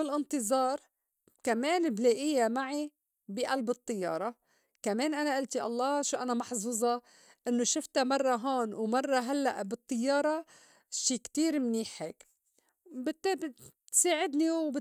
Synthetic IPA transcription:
ɪlʔɪnt̪ɨzˤɑːɾˤ | kameːnbleːʔɪjːamaʕi | biʔalbɨt̪ˤːɨjːɑ̰ːɾˤɑ | kameːnʔanaʔɪlt̪iʔɑ̰lˤːɑːʃuʔanamɑħzuːzˤɑ | ʔɪnːoʃɪft̪amɑrˤːɑɦoːnwmɑrˤːɑɦalːa̰ʔbɨt̪ˤːɨjːɑːɾˤɑ | ʃiːkt̪iːɾmniːħeːk | bɪt̪ːb | t̪saːʕɪd̪niwbɪ

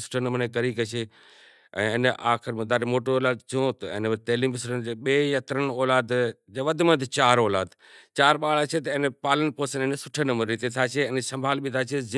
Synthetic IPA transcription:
sʊ̥ʈʰənɐmənẽkɐɾikɐt͡ʃʰeː | ɛ̃ːɪnəʔaːxɪɾmɐ̃d̪aːɾemoːʈooːlaːd̪t͡ʃʰõt̪ɐɪ̰nʋɐɾt̪ɐɦliːmbɪsʊʈʰənd͡ʑeːɓeːjɐt̪ɾən̆ɔːlaːd̪d͡ʑeːʋɐd̪ʱmẽt̪ʰɪt͡ɕaːɾɔːlaːd̪ | t͡ɕaːɾɓaːɭat͡ʃʰet̪ɐɪ̃npaːlənpoːsənɪ̃nsʊ̥ʈʰənəmənɾit̪et̪ʰaːt͡ʃʰeɪnsɐ̃mbʱaːlbʱit̪ʰaːt͡ʃʰezɪ

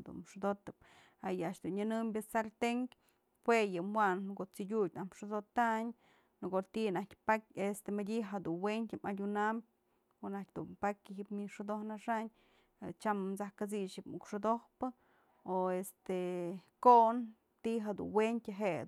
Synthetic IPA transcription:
d̪ṵnʂud̪ot̪ɨp̚ | ajaʔʃd̪unɲanɨmbʲɨsaɾt̪eŋk | pwejɨmwankot͡siɡʲujʲnahmʂud̪ot̪aɲ | nkot̪inahkʲpakʲest̪emadʲiɦad̪unwentʲɨmadʲunambʲ | konahk̚ʲd̪unpakʲɦipmiʂud̪ohnaʂaɲ | at͡ʃamt͡sahkat͡siʃipmukʂod̪ohpɨ | oest̪ekoʔn | t̪iɦad̪ṵnwentʲɨɦe

